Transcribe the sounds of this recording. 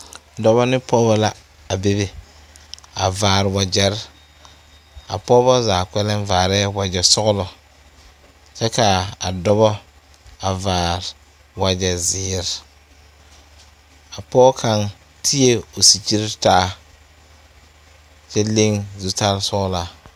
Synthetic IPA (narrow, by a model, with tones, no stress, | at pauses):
dɔ˦bɔ˦nɪ˦pɔː˦bɔ˦la˦ | a˨be˦be˨ | a˨vaː˨ɾɪ˨wa˨d͡ʒɛ˨ɾ | a̰˨pɔː˦bɔ˦zaː˨kɛ˦lɛ˦ɱ˦vaː˨ɾɛː˦wa˨d͡ʒɛ˨sʊ˦ɣʊ˦lɔ˨ | t͡ʃɛ˦ka˨a˨dɔ˦bɔ˦ | a˨vaː˨ɾɪ˨ | wa˨d͡ʒɛ˨zɪː˨˦˨ɾɪ˨ | a˨pɔː˦kʰa˦n | tʰi˦e˦o˨si˨t͡ʃi˦ɾi˦taː˦ | t͡ʃɛ˦le˦ŋzu˨ta˦ɾsʊ˦ɣʊ˦la˨